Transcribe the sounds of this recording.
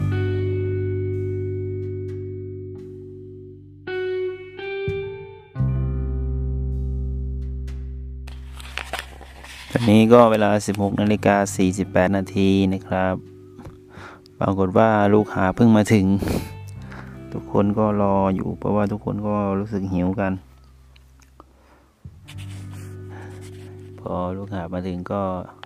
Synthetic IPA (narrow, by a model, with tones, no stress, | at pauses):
t̪ɛ˨˧˩niː˦˥˨kɔː˥˩weː˧laː˧si˨˦p̚ho˨˩k̚nʔaː˧li˧˩kaː˧siː˨˩si˨˩pːɛː˨˩t̪̚naː˧t̪ʰiː˧na˧˩kʰɾa˦˥p̚ | a̰ː˧ko˨˩t̪̚waː˧˥˩luː˧˥˩k̚haː˨˦pʰɯ˧˥˩ŋmaː˧t̪ʰɯ˨˩˦ŋ | t̪ʰu˦˧˥kʰːo̰˧˥˨nkɔː˥˩lɔː˧jṵː˨˩pʰɔ̰˧waː˧˩t̪ʰu˧˥kʰːo˧˥˨nkɔː˥˩ɾuː˧˥˩sɯ˨˩k̚hi˨˩˦wka˧n | pʰɔː˧luː˥˩k̚haː˨˩maː˧t̪ʰɯ˨˩˦ŋkɔː˧˥˩